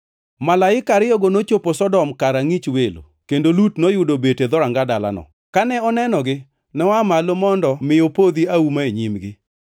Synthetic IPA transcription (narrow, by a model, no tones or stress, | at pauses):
malaɪkaɾɪjɔɡonot͡ʃoposɔdɔmkaɾaŋit͡ʃwelo̰ | kendolutnojʊdobeted̪ɔɾaŋɡadala̰nɔ̰ | kanɛɔnɛnɔɡɪ | nɛwamalomɔndɔmɪjopod̪iaumaeɲimɡɪ